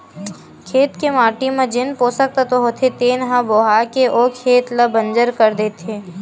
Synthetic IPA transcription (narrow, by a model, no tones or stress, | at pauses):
kʰeːt̪kemaːʈimẽd͡ʒɪnpoːsək̚t̪at̪oɦoːt̪ʰet̪eːnɦãboːɦaːkeʔoːkʰeːt̪lɐbə̃nd͡ʒəɾkəɾd̪eːt̪eː